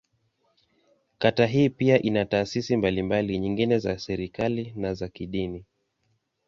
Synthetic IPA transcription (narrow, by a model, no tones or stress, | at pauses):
kataɦiːpiaʔinataːsisimbalimbaliɲiŋɡinɛzasɛɾikalinazakiɗini